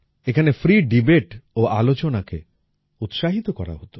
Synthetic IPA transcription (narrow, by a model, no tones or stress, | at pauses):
ekʰanefɾiɖibeʈoʔalot͡ɕonakḛ | ut̪ʃaɦit̪okɔɾa̰ɦot̪o